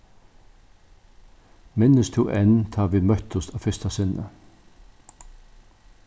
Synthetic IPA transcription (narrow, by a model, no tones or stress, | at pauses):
mɪnəst̪ʰṵːʔɛnt̪ʰɑːʋiːmœt̪ɔst̪ɑːfʏst̪ɑsɪnʔə̰